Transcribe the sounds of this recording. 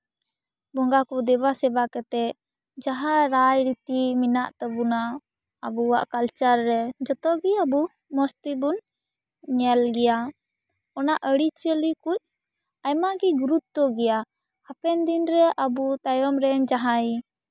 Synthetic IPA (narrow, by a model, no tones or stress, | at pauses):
bɔŋɡakɔd̪ɛβasɛbakɛt̪ɛ | d͡ʒaɦaɾajɾit̪iminaʔt̪əbuna | abuwaʔkalt͡ʃaɾːɛd͡ʒɔt̪ɔɡiabu | mɔst̪ibun | ɲɛlɡɛja | ɔnaʔəɽit͡ʃəlikuc̚ | ajmaɡiɡuɾut̪̚t̪ɔɡɛja | hapɛnd̪inɾɛʔabut̪ajɔmɾɛnd͡ʒaɦaj